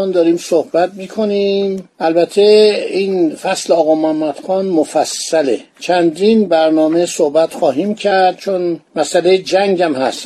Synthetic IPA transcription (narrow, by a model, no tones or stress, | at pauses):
nd̪ɒːɾiːmsohbæt̪̚miːkʰo̞nimʔælbæt̪ʰːeinfæsleɒːɣɒːmohæmːæd̪̥xɒːnmofæsːæle | t͡ʃʰænd̪inbæɾnɒːmesohbæt̪xɒːɦiːmcʰæɾd̪̥̚t͡ʃʰonmæsʔælejed͡ʒæŋɡæmhæ̰st̪